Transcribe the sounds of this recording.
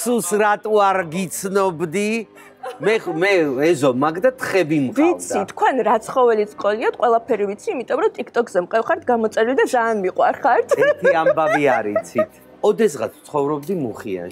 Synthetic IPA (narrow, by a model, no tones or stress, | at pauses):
susɾat̪ʼuaɾɡit̪sʰnɔbd̪i | mɛmɛɛzɔmakʰd̪at̪ʰχɛbimvitt̪sʰit̪ʰːkʰwɛnɾat̪sʰχɔvɛlit̪sqʼɔliat̪̚ʰqʼwɛlˠapʰɛɾivit̪sʰiːmit̪ʼɔmɾɔt̪ʼikt̪ʼɔkzɛmqʼɛfχaɾt̪ʰɡamɔt̪sʼɛɾild̪azaːnmiqʼwaɾχaɾt̪ʰɛiambaviaɾit̪sʰit̪ʰ | ɔd̪ɛs̬ʁa̰t̪ʰt̪sʰχɔvɾɔb̚d̪imuχḭa̰nʃi